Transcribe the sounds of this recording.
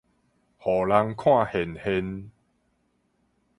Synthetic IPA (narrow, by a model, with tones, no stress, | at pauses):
hɔ˨˩la˧˦ŋkʰw̃ã˥˧˨he˨nhe˧n